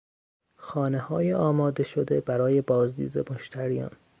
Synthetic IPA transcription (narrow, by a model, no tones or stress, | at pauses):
xɒːnehɒːjeɒːmɒːd̪eʃod̪e̞bæɾɒːje̞bɒːzd̪ḭːd̪ḛmoʃt̪ʰæɾijɒ̰ːn